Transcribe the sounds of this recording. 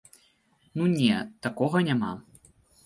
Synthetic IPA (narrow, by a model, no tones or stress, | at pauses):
nunʲɛt̪akɔɣɐnʲama̰